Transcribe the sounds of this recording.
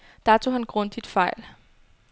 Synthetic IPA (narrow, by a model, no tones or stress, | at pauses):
d̥ɑ̈t͡sʰo̝̰ːhænɡ̥ʁɔ̽nd̥id̥fɑ̈ɪ̰l